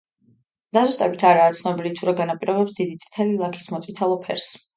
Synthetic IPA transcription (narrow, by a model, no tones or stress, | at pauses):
d̪̥azust̪ʼɛbit̪ʰaɾaːt̪sʰnɔbilit̪ʰuɾaɡanapʼiɾɔbɛpsd̪id̪it̪sʼt̪ʰɛlilˠakʰi̥smɔt̪sʼit̪ʰalˠɔpʰɛ̰ɾs